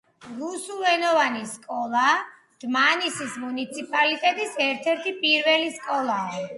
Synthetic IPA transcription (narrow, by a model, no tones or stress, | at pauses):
ɾusulˠɛnɔvaniskʼɔlˠa | d̪̥manisismunit̪sʰipʼalit̪ʼɛt̪ʼisɛɾt̪ʰɛɾt̪ʰipʼiɾvɛliskʼɔlˠaː